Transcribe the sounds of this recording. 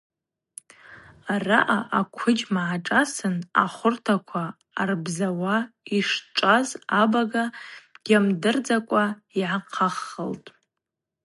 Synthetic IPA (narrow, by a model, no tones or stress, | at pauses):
araʔaʔakʷʰʊd͡ʒmaʕaʈ͡ʂʼasɨna̰χʷʊrtʰakʷʰaː | rbzawaiʂʈ͡ʂʷʼazabaɡaɡ̥ʲamdɨrd͡zakʷʼaiʕaqʰaχːəltʼ